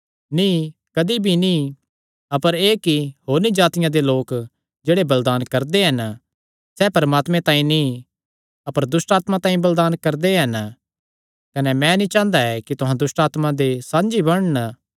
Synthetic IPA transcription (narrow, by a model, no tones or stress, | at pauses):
nĩkɐd̪ibʱinĩ | ɐpəɾeːkiɦoːɾnid͡ʒaːt̪ɪjãd̪eloːk | d͡ʒeːɽebɐld̪aːnkɐɾd̪eɦɐn | sɛpɐɾmaːt̪mẽt̪ãːĩni | ɐpəɾd̪ʊsʈaːt̪mãt̪ãːĩbɐld̪aːnkɐɾd̪eɦɐn | kɐnɛmɛ̃nĩt͡ʃãːnd̪aɛkit̪ʊɦãd̪ʊsʈaːt̪mãd̪esãːnd͡ʒibɐɽ̃nə